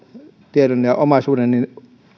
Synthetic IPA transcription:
t̪iedonjɑʔomɑsuːdennin

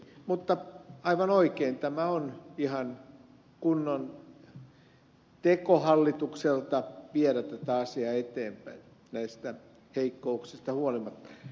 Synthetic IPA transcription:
mut̪ːɑɑiʋɑnoikeint̪æmæonihɑn | kunːon | t̪ekohɑlːit̪ukselt̪ɑʋiɛɾæt̪ːæt̪æɑsiɑːet̪eːmpæin | næist̪æ | heikːouksist̪ɑhuolimɑt̪ːɑ̥

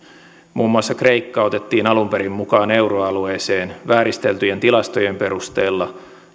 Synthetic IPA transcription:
mʔuːmːuɑsːɑkre̞ikːɑo̞t̪e̞t̪ːiːnɑlumpe̞ɾimːukɑːne̞wɾoɑlueːse̞ːnʋæːɾist̪e̞lt̪yjent̪ilɑst̪o̞jempe̞ɾust̪eːlːɑ

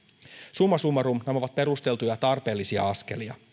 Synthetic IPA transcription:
sumːɑsumːɑɾumnemoʋɑt̪̚pe̞ɾust̪e̞lt̪ujɑt̪ɑrpe̞ːlːisiɑ̰ɑske̞̰liɑ̰

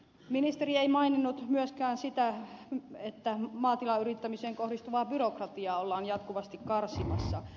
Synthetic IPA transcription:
minist̪erieimɑininːut̪myøskæːnsit̪æ | et̪ːæmɑːt̪ilɑyrit̪ːæmiseːŋkohdist̪uʋɑːbyrokrɑt̪iɑːolːɑːnjɑt̪kuʋɑst̪ikkɑrsimɑsːɑ

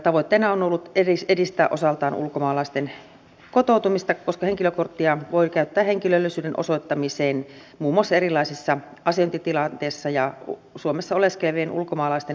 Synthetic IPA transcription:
t̪ɑʋoit̪ːeːnɑonolːut̪erisedist̪æːʔosɑlt̪ɑːnṵlkomɑːlɑˑist̪en | kot̪oˑut̪umist̪ɑkoskɑheŋkiløkort̪ːiɑʋoikæyt̪ːæːheŋkilølːisyːdenʔo̰soit̪ːɑmiseːn | muːmːuoɑsːɑerilˑɑˑisisːɑ | ɑseont̪it̪ilɑnt̪eːsːɑjɑsuomesːɑoleskelʋeːnṵlkomɑːlɑˑist̪en

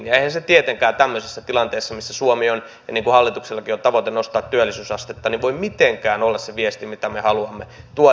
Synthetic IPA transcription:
nieihænset̪iet̪eŋkæːt̪æmːøsisːɑt̪ilɑnt̪eːsːɑmisːæsuomion | jɑ̰niːŋkuhɑlːit̪ukselːɑkiot̪ɑʋot̪enost̪ɑːt̪t̪yælːisyːsɑst̪et̪ːɑniʋʋoimmit̪eŋkæːnolːɑsseʋiest̪imit̪æmehɑluɑmːet̪uo

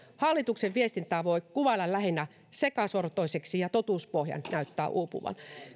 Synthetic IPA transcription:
hɑlːit̪ukseʋʋiest̪int̪æːʋoikuʋɑlɑllæhinːæ | sekɑsort̪oiseksijɑt̪ot̪uːspohjɑ̰nnæyt̪ːæ̰ːʔuːpṵʋɑ̰n

